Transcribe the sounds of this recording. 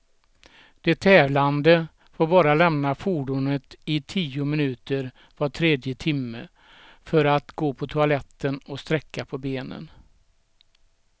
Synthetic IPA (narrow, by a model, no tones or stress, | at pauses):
d̪̥ɛt̪ʰːɛːvland̪ə | foːɾbɑːɾalɛmnafuːɖʊnət̪ɪt̪ʰiːʊmɪnʉ̟ːt̪əɾ | vaʈʰɾeːd̪jət̪ʰɪmːə | fœɾat̪ɡoːpʰɔt̪ʰʊalɛt̪ʰːənɔst̪ɾɛkːapʰɔbeːnə̰n